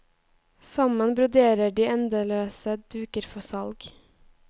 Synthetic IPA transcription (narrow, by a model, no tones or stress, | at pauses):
sɑmənbɾʊd̪eːɾəɖiːɛnd̪əløːsəd̪ʉːkəɾfɔsɑlɡ